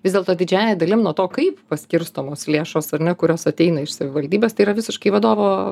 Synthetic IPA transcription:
ʋʲɪzd̪ʲeɛlˠt̪oːd̪ʲɪd͡ʒʲæːjɛd̪ɐlʲɪmnuɔt̪oːkɐɪppɐsʲkʲɪɾst̪oːmoːslʲeːʃoːsɐrnʲɛkʊɾʲoːsɐt̪ʲɛɪnɐɪʃsɐʋʲɪʋɐlʲd̪ʲiːbʲeːst̪ɐɪiːɾɐʋʲɪsʲɪʃkɐɪʋɐd̪oːʋoː

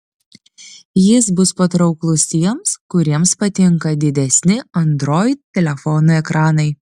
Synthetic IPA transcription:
jɪsbʊspɐt̪ɾɒʊklˠʊst̪ʲiɛmskʊɾʲiɛmspɐt̪ʲɪŋkɐd̪ʲɪd̪ʲɛsʲnʲɪɐnd̪ɾoːjt̪̚t̪ʲɛlʲɛfɔnoːɛkɾʔɑːnɐɪ

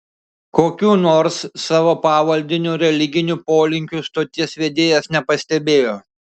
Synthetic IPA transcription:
koːkʲuːnoːɾsːɑːʋoːpɑːʋɐlʲd̪ʲɪnʲuːɾʲɛlʲɪɡʲɪnʲupoːlʲɪŋʲkʲuːst̪oːt̪ʲɪsʋʲeːd̪ʲeːjɛsnʲɛpɐsʲt̪ʲɛbʲeːjoː

